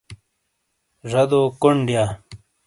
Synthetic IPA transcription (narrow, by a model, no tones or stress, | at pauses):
ʐɐd̪oːkoɳɖjaː